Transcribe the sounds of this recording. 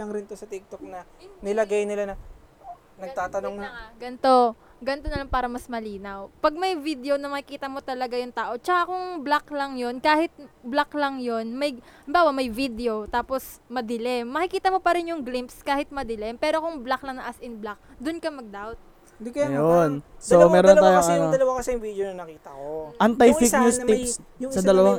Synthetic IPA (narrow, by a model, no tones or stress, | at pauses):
ɐŋɾɪnt̪osɐt̪ɪk̚t̪ok̚nɐnɪlɐɡajnɪlanɐ | nɐɡ̚t̪aːt̪ɐnoŋnŋaɡɐnt̪o̞ | ɡɐnt̪o̞nɐlaŋpaːɾɐmɐsmɐliːnɐwpɐɡ̚mɐjvid̪eonɐmɐkɪkiːt̪ɐmo̞t̪ɐlɐɡajʊŋt̪aːʔo̞t͡ʃɐkakʊŋblaklɐŋjo̞nkaːhɪt̪̚blaklɐŋjo̞nmɐjɐmbaːwɐmɐjvid̪eo̞t̪aːpo̞smɐd̪ɪlɛmːɐkɪkiːt̪ɐmo̞pɐɾɪnjʊŋɡlimpskaːhɪt̪̚mɐd̪ɪlɛmpɛːɾo̞kʊŋblaklɐŋnɐʔasʔɪnblak̚d̪ʊnkɐmɐɡ̚d̪awt̪̚ | d̪kjonsomɛːɾont̪aːjoŋɐnod̪ɐlɐwakɐsɛjʊŋvid̪onɐnɐkiːt̪ɐkoʔɐnt̪ɐjfik̚ɲusipssɐd̪ɐlɐwaŋ